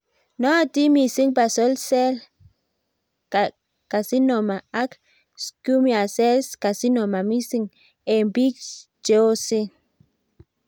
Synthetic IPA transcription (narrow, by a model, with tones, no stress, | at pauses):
no˦a˦t̪i˦mi˧si˦ŋba˨so˦lse˦l | ka˨ | ka˨si˦no˨ma˨a˦k | sku˦mja˨se˦ska˨si˦no˨ma˨mi˦si˦ŋ | e˨mbi˦t͡ʃ | t͡ʃo˦si˦